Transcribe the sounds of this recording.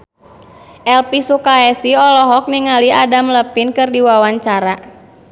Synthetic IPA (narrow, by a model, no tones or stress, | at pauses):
ʔɛlpisukaɛsiɔlɔɦɔk̚niŋaliadamləpinkɨrdiwawaɲt͡ʃaɾa